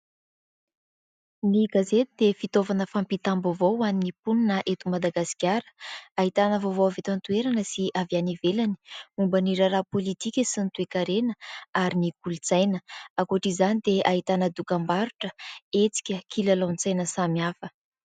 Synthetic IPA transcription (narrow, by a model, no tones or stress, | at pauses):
niɡazet̪id̪efit̪ovanəfampit̪ambovowaninipuninəʔet̪umad̪aɡasi̥kʲjaɾə̥aɦit̪anəvovowavet̪ant̪ueɾanəsiavjanivelani̥umbəniɾaɾapolit̪ikʲəsint̪uekaɾenəaɾinikulut͡sajnəakuaʈ͡ʂizanid̪eaɦit̪anəd̪ukambaɾuʈ͡ʂəet͡si̥kʲəkʰilalant͡sajnəsamiafə